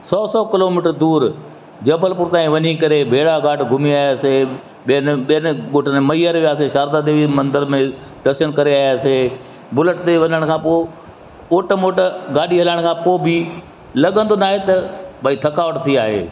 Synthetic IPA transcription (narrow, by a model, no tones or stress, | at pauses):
sɔːsɔːkɪloːmɪːʈəɾd̪uːɾ | d͡ʑɐbʱəlpʊɾt̪aːĩʋɐɲikɐɾebʱeːɽaɡaːʈʰɡʱʊmiaːjaːse | ɓiənɓiənɡoːʈʰənemɐiːəɾʋijaːseʃaːɾd̪ad̪eːʋimɐ̃nd̪əɾmẽ | ɖɐsənkɐɾeaːjaːse | bʊləʈt̪eʋɐɲəɽ̃kʰãːpoː | oːʈəmoːʈɡaːɗiɦɐlaɽ̃kʰãːpoːbɪ | lɐɠə̃nd̪onaːɦet̪ɐbʱaːit̪ʰɐkaːʋəʈt̪ʰiaːɦḛː